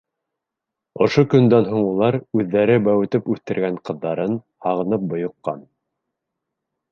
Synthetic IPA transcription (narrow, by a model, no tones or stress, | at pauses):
ŏʃokɵ̆nd̪ænɦoɴulˠɑɾʉðːæɾɘbæwɘ̆t̪ɘpʉθt̪ɘ̆ɾɡæɴqɤ̆ðːɑɾɤn | hɑʁɤ̆nɤp̚bŏjŏqːɑ̰n